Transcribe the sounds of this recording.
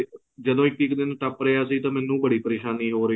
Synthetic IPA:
d͡ʒəd̪õːɪkːɪkd̪ɪnʈəpɾəaːsiːt̪ãːmɛ̃ːnːũːbəɽiːpəɾeːʃaːniːɦoːɾə

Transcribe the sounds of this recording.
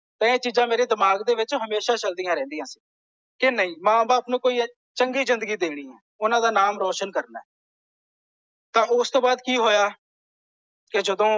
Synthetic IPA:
t̪ə̃ːẽːt͡ʃiːzãːmeːɾeːd̪ɪmaːɡd̪eːʋɪt͡ʃɦəmeːʃaːt͡ʃəld̪ijãːɾɛ̃ːnd̪ijãːsi̥ː | kenəĩːmãːbaːpnũːkoːi | t͡ʃəŋɡiːzɪnd̪əɡiːd̪eːɽ̃iːɦɛ̃ː | ʊnãːd̪aːnaːmɾɔːʃənkəɾna̰ːɦɛː | t̪ãːʔʊst̪õːbaːd̪kiːɦoːjaː | kɪd͡ʒəd̪õː

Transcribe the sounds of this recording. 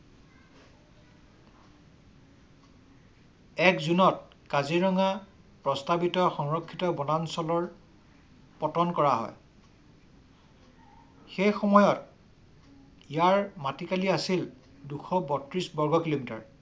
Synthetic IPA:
ɛkzunɔt̚ | kaziɹɔŋa | pɹɔstabitɔxɔŋɹɔkʰːitɔbɔnansɔlɔɹ | pɔtɔnkɔɹaɦɔ̰j | xejxɔmɔjɔt | ijaɹmatikaliasil | duxʰɔbɔtɹisbɔɹɡɔkilomita̰ɹ

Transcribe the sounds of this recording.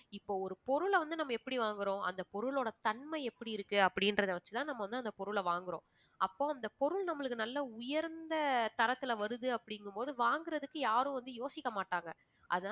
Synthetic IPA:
ɪpːoːɔɾɯpɔɾɯɭʋɐnd̪ɯnɐmːɐɛpːɐɽiʋaːŋɡɪɾõːʔɐ̰nd̪ɐpɔɾɯɭoːɽɐt̪ɐɳmɐɪɛpːɐɽiɪɾɯkːɯɐpːɐɽɪnɾɐðɯʋɐt͡ʃːɯ̥t̪ãːnɐmːɐʋɐnd̪ɯɐnd̪ɐpɔɾɯɭɐʋaːŋɡɪɾõ̰ː | ɐpːoːɐnd̪ɐpɔɾɯɭnɐmːɐɭɯkːɯnɐlːɐʊjɐɾnd̪ɐt̪ɐɾɐt̪ːɪlɐʋɐɾɯðɯɐpːɐɽɪŋɡɯmpoːðɯʋaːŋɡɪɾɐðɯkːɯjaːɾʊ̃ʋɐnd̪ɯjoːsɪkːɐmaːʈːaːŋɡɐ | ʔɐ̰ðɐã

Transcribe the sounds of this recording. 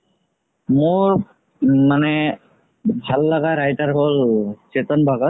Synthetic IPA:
mʊɹ | manɛ | bʱalːaɡaɹajtaɹɦolt͡ʃet̪ɔnbʱaɡɔt̚

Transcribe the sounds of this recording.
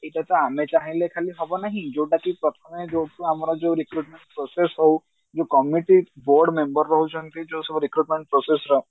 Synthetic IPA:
eʈat̪ɔamet͡ʃaɦilekʰaliɦɔbɔnaɦĩd͡ʒowʈakipɾɔt̪ʰɔmed͡ʒowʈuamɔɾɔd͡ʒewɾikɾuʈmeɳʈpɾɔsesɦɔw | d͡ʒokɔmiʈiboɾɖmembɔɾːɔɦut͡ʃʰɔnt̪id͡ʒowsɔbɔɾikɾuʈmeɳʈ̚pɾɔsesɾɔɦ

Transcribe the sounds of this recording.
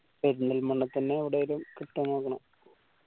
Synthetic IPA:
peɾund̪ɐlmɐɳːɐt̪ːɐnːeːʋiɽejilumkiʈːɐnːoːkːɐɳɐm

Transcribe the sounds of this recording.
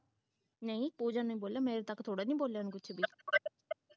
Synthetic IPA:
nəĩpuːd͡ʒanũĩboːljaːmẽːɾet̪əkːt̪ʰoːɽanĩːboːljaːnkʊt͡ʃʰbiː

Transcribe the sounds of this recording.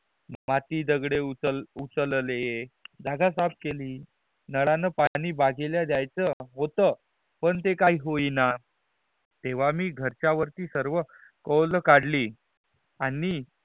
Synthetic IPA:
mat̪iːd̪əɡɽeut͡səlut͡səllejed͡zaɡʱasap̚keliː | nəɭanəpañiːbaɡʱeljad̪jajt͡səɦot̪ə | pəɳt̪ekaɦiːɦoina | t̪eʋ̤amiːɡʱəɾt͡ɕjaʋəɾt̪iːsəɾʋəkəwləkaɽliː | ani

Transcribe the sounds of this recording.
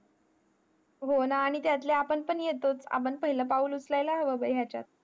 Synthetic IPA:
ɦonaːɽ̃it̪jat̪leapəɳpəɳjet̪ot͡sa̰pəɳpəɦiləpauːlut͡slajlaɦəʋəbəjɦjat͡ɕa̰t̪̚

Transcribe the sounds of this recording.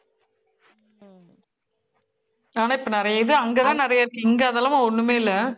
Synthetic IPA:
aːnaːɪpːonɪɾɐjɐɪðɯɐŋɡɐːt̪ãːnɪɾɐjaɪɾɯkːɯɪŋɡɐɐðɐːlɐmaɔɳːɯmeːɪlːɐ

